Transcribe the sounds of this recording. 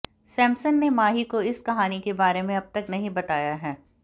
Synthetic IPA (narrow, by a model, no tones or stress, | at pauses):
sɛ̃ːmsənːemaːɦikoɪskɐɦaːnikebaːɾemẽɐb̚t̪ɐknɐɦĩbɐt̪aːjaɦɛː